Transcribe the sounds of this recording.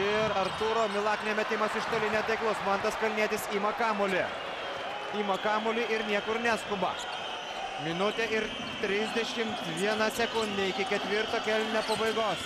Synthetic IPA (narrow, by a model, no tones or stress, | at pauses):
ɪɾɐɾt̪uɾoːmʲɪlˠɑːknʲemʲɛt̪ʲɪmɐsɪʃt̪olʲɪnʲɛt̪ɐɪklˠʊsmɐnt̪ɐskɐlʲnʲiɛt̪ʲɪsiːmɐkɑːmolʲeː | iːmɐkɑːmʊlʲiʔɪɾnʲiɛkʊɾnʲæːskʊbɐ̰ | mʲɪnʊt̪ʲeɪɾ | t̪ʲɾʲɪzʲd̪ʲɛʃʲɪmt̪ʋʲiɛnɐsʲɛkʊnʲd̪ʲeɪkʲɪkʲɛt̪ʲʋʲɪɾt̪oːkʲɛlʲnʲnʲoːpɐbɐɪɡoːs